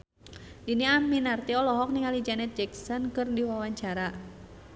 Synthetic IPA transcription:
diniaminart̪iɔlɔɦɔk̚niŋalid͡ʒanɛt̪̚d͡ʒɛksɔnkɨrdiwawaɲt͡ʃaɾa

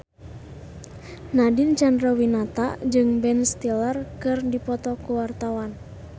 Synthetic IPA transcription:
nadint͡ʃandɾɔwinat̪a̰ʔd͡ʒɨŋbɛnst̪ilarkɨrdipɔt̪ɔkuwart̪awan

